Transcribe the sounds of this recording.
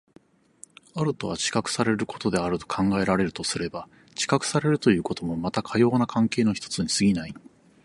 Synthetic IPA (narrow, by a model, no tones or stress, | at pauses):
aɾɯ̟t̪o̞βat͡ɕi̥kakɯ̟̥saɾe̞ɾɯ̟ko̞̥t̪o̞d̪e̞aɾɯ̟t̪o̞̥kʰãŋɡae̞ɾaɾe̞ɾɯ̟t̪o̞sɨɾe̞ba | t͡ɕi̥kakɯ̟̥saɾe̞ɾɯ̟t̪o̞jɯ̟ːko̞t̪o̞mo̞mat̪akʰajo̞ːnakʰãŋke̞ːno̞çi̥t̪o̞t͡sɨɲ̟isɨɡʲinai